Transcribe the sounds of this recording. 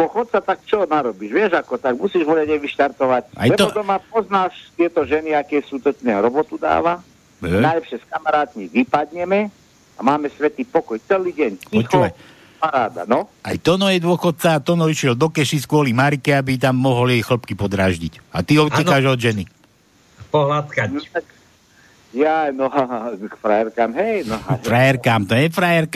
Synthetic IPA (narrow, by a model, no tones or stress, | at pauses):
d̪ʊɔxɔt̪̚t͡sat̪ak̚t͡ʃɔnaɾɔbiːʒʋɪɛʒakɔt̪aɡ̚musiːʒʋɔlaɟɛjʋiʃt̪aɾt̪ɔʋacʔa̰jlɛt̪ɔɔd̪ɔmap̚ɔznaːʃt̪ɪɛt̪ɔʒɛniakɛsut̪ɔt͡ʃnɛɾɔbɔt̪ud̪a̰ːʋa | ɛajlɛpʃɛskamaɾaːt̪miʋipad̪ɲɛmɛ | amaːmɛsʋɛt̪iːpɔkɔjt͡sɛliːɟɛɲpciɔxt͡ʃuʋaj | paɾaːd̪a̰nɔa̰jt̪ɔnɔjɛd̪ʊɔxɔt̪̚t͡saːt̪ɔnɔiʃɪɛld̪ɔkɛʃiskʊɔlimaɾikɛabit̪̬amːɔɦɔljɛjxl̩pkipɔd̪ɾaːʒɟica̰t̪iɔɛnaʒɔd̪ʒɛni | pɔɦlat̪kant̪ak | janɔkfɾajɛɾkamɦɛjnfɾajɛɾkamt̪ɔɛfɾajɛɾk